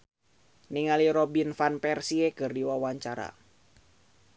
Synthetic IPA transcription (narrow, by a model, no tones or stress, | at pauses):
niŋaliɾɔbinfanpɛrsiɛkɨrdiwawaɲt͡ʃaɾa̰